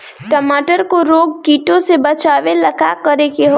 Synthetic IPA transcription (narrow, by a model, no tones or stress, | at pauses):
ʈɐmaːʈəɾkoɾoːɡ̚kiːʈõsebɐt͡ʃaːʋelɐɡakəɾekeɦo